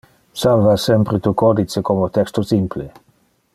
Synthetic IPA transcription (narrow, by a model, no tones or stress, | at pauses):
salvasɛmpɾet̪ukɔd̪it͡sekomot̪ɛkst̪osimple